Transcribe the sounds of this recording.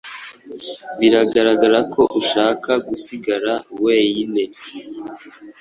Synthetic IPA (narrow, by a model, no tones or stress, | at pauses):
βiɾaɡaɾaɡaɾakʰo̞ʔuʃaːkaɡusiɡaɾawejine̞